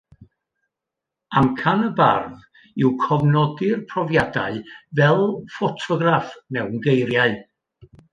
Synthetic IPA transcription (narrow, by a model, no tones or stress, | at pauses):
amkʰanəba̰rð | ɪwkʰɔvnɔdɪrpʰrɔvjada̰ɨvɛlˠfɔtʰɔɡrafnɛwnɡejrjaɨ